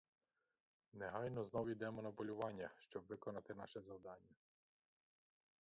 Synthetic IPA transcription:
nɛɦɑjnɔznɔwid̪ɛmɔnɐpɔlʲʊʋɑnʲːɐʃt͡ʃɔbʋɪkɔnɑt̪ɪnɑʃɛzɐwd̪ɑnʲːɐ

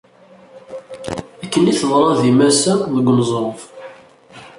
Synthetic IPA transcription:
ækːəniθəðˤɾˤɑðimæsæðəɡʷːnzˤof

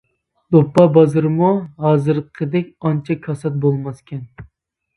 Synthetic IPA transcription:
d̪opːɑbɑzɨɾɨmuɦɑːzɨɾqʰəd̪ɛkʲɑnt͡ʃʰɛkʰɑsɑt̪̚bolˠmɑskʲɛn

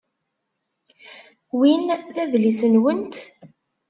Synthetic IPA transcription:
winθæðlisənwənt̪

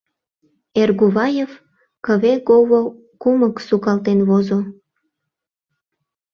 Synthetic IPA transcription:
erɣuβɑjef | kəβekoβo | kuməksukɑlt̪enβozo

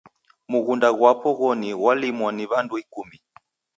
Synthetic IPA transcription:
muɣundaɣwapɔɣɔniɣwalimwaniβanduikumi

